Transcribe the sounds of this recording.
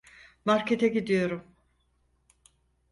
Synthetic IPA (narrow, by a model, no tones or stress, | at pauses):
maɾket̪ʰɛɟid̪ijo̞ɾum